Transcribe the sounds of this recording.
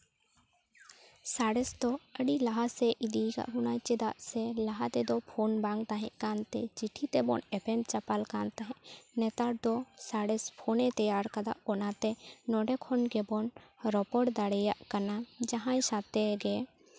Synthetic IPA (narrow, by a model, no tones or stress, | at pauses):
saɽɛsd̪ɔəɽilaɦasɛʔid̪ika̰ʔɦunajt͡ʃɛd̪aʔsɛlaɦat̪ɛd̪ɔpʰonbaŋɡt̪aɦɛ̰̃ʔkant̪ɛt͡ʃiʈʰit̪ɛbɔ̰nɛpɛnt͡ʃapalkant̪aɦɛ̃ʔnɛt̪aɾd̪ɔsaɽɛspʰonɛt̪əjaɾkad̪aʔɔnat̪ɛnɔɖɛkʰɔnɡɛbɔnɾɔpɔɽd̪aɽɛjaʔkanad͡ʒaɦãj̃sat̪ɛɡɛ